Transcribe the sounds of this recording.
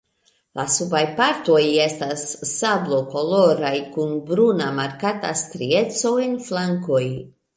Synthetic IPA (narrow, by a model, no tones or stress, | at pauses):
lasubajpaɾto̞je̞stasːablo̞ko̞lo̞ɾajkunbɾunamaɾkata̰stɾie̞t͡so̞enflaŋko̞j